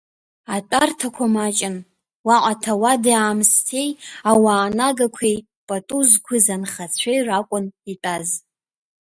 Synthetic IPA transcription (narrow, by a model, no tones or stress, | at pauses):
atʼartʰakʷʰamat͡ʃʼɪn | waqʷʼatʰawadaːmstʰejawaːnaɡakʷʰej | pʼatʼuzkʷʰɨzanχat͡sʷʰejrakʷʼʊnitʼaz